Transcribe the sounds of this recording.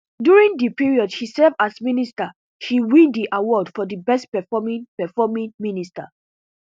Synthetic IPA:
djuɹĩŋdipiɹiɔdʃisɛvasminista | ʃiwĩndiʔawɔdfɔdibɛst̚pɛfɔmĩnpɛfɔmĩnminista

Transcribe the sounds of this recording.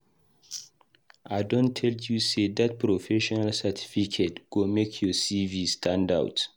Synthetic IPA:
ʔaɪdõntʰːɛljused̪at̚pʰɾɔfɛʃɔnalsɛtʰi̥fikʰetɡ̥omekʰjɔsivistʰãnda̰wt

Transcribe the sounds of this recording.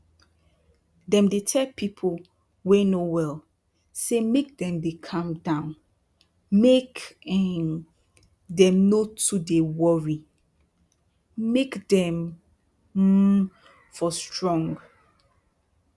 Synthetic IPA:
dɛ̃mdetʰɛlpʰipʰol | wɛnowɛl | semek̚dɛ̃mdekʰãmdãʊ̃n | mekɛn | dɛ̃mnotudewɔɹi | mekdɛ̃m | fɔstɹɔ̃ŋɡ

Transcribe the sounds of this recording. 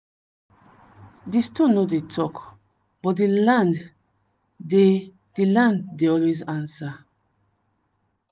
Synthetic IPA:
distũnːodetʰɔk | b̥ɔtdilãnd | de | d̥ilãnddeɔlwezãnsa

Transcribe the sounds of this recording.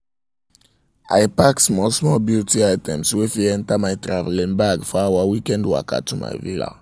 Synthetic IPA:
a̰ɪpaksmɔsmɔbjutiaɪtɛ̃mswefiɛ̃ntamaɪtɹavɛlĩnbaɡfɔawawikɛ̃ndwa̰ka̰tuma̰ɪvila̰

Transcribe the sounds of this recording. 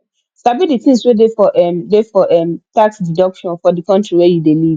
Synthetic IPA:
stabidiθĩŋswedefɔʔɛmdefɔʔɛmtaksdidɔkʃɔ̃nfɔdikɔ̃ntɹiwɛjudeliv̥

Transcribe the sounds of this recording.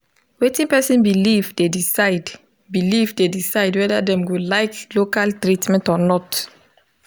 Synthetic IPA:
wetĩnpɛsĩnbilivdedisad | bilivdedisaɪdwɛdadɛ̃mɡolaɪklokaltɹitmɛ̃ntɔnɔt

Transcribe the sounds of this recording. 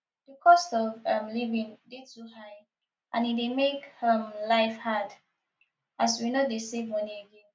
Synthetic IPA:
dəkʰɔstɔvamlivĩndid̚tuɦaɪ | ʔãnidemekhəmlaɪfhad | aswinodesevmʌniəɡɛ̃n

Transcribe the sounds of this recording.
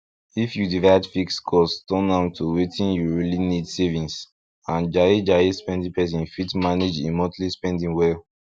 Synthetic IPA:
ifjudivaɪdfikskʰɔstɔ̃nãmtʰuwetʰĩnjuɹilinidsɛvĩns | ãnd͡ʒaɹid͡ʒaɹispɛ̃ndĩpɛs̬ĩnfitmaned͡ʒḭ̃mɔtlispɛ̃ndĩŋwɛl

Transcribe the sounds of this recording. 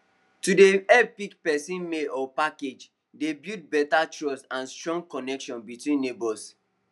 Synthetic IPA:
tudeɛpikpɛsĩnmeʔɔpaked͡ʒ | debjud̚bɛtatɹɔsãnstɹɔ̃ŋɡkɔnɛkʃɔ̃nbitwĩnːebɔs

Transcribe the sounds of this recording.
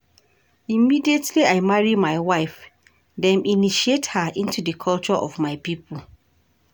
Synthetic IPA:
imidietʰliaɪmaɹimaɪwaɪf | dɛ̃miniʃiethaʔĩntudəkʰɔlt͡ʃɔʔɔvmaɪpipəl

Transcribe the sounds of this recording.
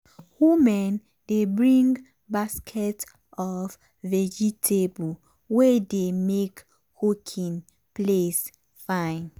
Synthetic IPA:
humɛ̃n | d̥ebɹĩŋɡ | baskʰɛt | ɔv | vɛd͡ʒitʰebu | wɛdemek | hukʰĩn | ples | fãn

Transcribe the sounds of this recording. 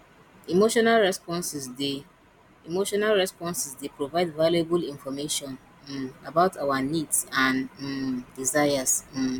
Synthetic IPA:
imoʃɔnalɹɛspɔ̃nsisde | imoʃɔnalɹɛspɔ̃nsisdepɹovaɪdvalebulĩnfɔmeʃɔ̃n | abaʊtʰawanidsãn | dizaɪas̩

